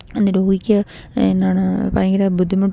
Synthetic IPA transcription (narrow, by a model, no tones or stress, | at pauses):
enːɨɾoːɡikʲːɨ | ḛnːaːɳɨpɐ̰rɐŋɡilabud̪ʱːimɐʈ